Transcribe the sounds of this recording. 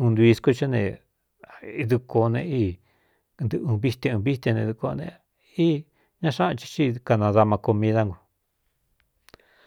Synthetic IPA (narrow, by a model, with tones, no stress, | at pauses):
ũ˧nd̪u˧i˧sku˦˧t͡ʃa˦nḛ̃˧˨˧ | ðu˧ko˧nḛ̃˧i˦ | nd̪ɨ˧ũ˧βi˦t̪ẽ˧ũ˧βi˦t̪ẽ˧nẽ˧ðu˧ko˧nḛ̃˧ | i˦ | ɲã˦˧ʂã˦˧t͡ʃi̥˧t͡ʃi˦˧ka˧nã˧ða˧mã˧ko˧mĩ˧ða˧ŋɡu˨˧